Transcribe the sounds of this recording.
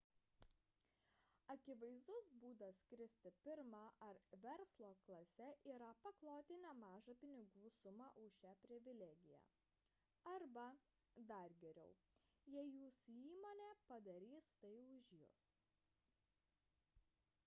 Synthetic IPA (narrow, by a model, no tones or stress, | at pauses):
ɐkʲɪʋɐɪzd̪ʊsbuːd̪ɐskɾʲɪsʲt̪ʲɪpʲɪɾmɑʔɐɾʋʲɛɾslˠoːklˠɐsʲɛʔiːɾɐpɐklˠoːt̪ʲɪnʲɛmɑːʒɐpʲɪnʲɪɡuːsʊmɑʔʊʃʲæpʲɾʲɪʋʲɪlʲɛːɡʲɪjæ̰ː | ɐɾbɐ | d̪ɐɾɡʲɛɾʲɛʊjɛɪjuːsʊiːmoːnʲeːpɐd̪ɐɾʲiːst̪ɐɪʊʒʲjuːs